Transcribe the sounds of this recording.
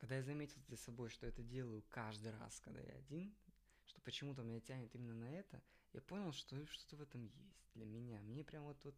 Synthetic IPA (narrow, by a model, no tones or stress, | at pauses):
kɐɡd̪ajazɐmʲetʲɪlˠd̪lʲəsɐbo̞jʂt̪oɛt̪ədʲe̞lˠəjʊkaʐd̪ɨjra̰skɐɡ̚d̪a̰ja̰ɐ̰dʲin | ʂt̪o̞̥pət͡ɕɪmut̪̬əmʲɪnʲatʲænʲɪt̪imʲɪnːənɐɛt̪ə | ja̰po̞nʲɪlˠʂt̪oʂt̪o̞t̪əvɛt̪əmjesʲtʲd̪lʲəmʲɪnʲamnʲepɾʲamvot̪vo̞t̪